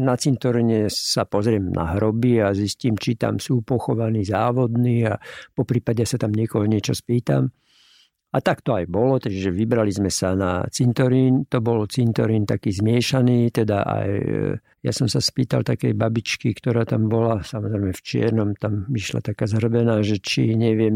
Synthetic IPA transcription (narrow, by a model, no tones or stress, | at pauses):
nat͡sint̪ɔɾiɲɛsapɔzɾɪɛmnʔa̰ɦɾɔbiazisciːmt͡ʃit̪a̰msuːpɔxɔʋaniːzaːʋɔd̪niːapɔpɾiːpaɟɛasat̪amɲɪɛkɔɦɔɲɪɛt͡ʃɔspiːt̪a̰m | at̪akt̪ɔajbɔlɔt̪ɛʒɛʋibɾalizmɛsana̰t͡sint̪ɔɾiːnt̪ɔbɔlt͡sint̪ɔɾiːnt̪akiːzmɪɛʃaniːt̪ɛd̪aʔa̰j | ja̰sɔmsaspiːt̪a̰lt̪akɛjbabit͡ʃkikt̪ɔɾaːt̪ambɔlasamɔzɾɛɪmɛft͡ʃɪɛ̰ɾnɔmt̪amʋiʃla̰t̪akaːzɦr̩bɛnaːʒɛt͡ʃḭɲɛʋɪɛm